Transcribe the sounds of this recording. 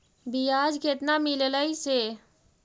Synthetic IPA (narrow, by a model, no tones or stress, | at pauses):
bijad͡ʒket̪namilləjse